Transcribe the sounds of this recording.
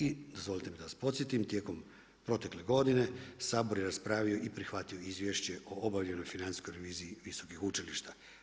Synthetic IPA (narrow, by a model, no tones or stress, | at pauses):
id̪ozʋo̞lit̪emid̪aʋaspo̞t̪sje̞t̪imt̪je̞ːko̞m | pɾo̞t̪e̞kle̞ɡo̞d̪ine̞saːbo̞ɾjeɾaspɾaːʋio̞ʔipɾixʋat̪ijo̞izʋje̞ʃt͡ɕeʔo̞obaʋʎʲe̞nojfinanisko̞jɾeʋiːziːʋiso̞kixut͡ʃiliʃt̪a